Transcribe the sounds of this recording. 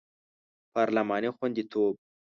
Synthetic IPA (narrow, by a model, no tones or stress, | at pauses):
pɑːɾlamɑːnixwand̪it̪ʰoːb̚